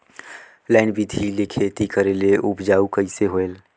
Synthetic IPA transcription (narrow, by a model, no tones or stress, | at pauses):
lɛːnbid̪ʱilekʰet̪ikəɾeleʔʊbd͡ʒaːukəiseɦoel